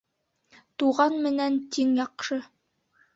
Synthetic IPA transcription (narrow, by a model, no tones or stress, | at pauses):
t̪uʁɑnmɘ̆nænt̪iŋjɒqʃɤ